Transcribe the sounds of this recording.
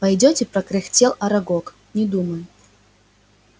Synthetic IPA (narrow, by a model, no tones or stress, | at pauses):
pɐjdʲotʲɪpɾɐkɾʲɪxtʲelˠɐɾɐɡok | nʲɪd̪uməjʊ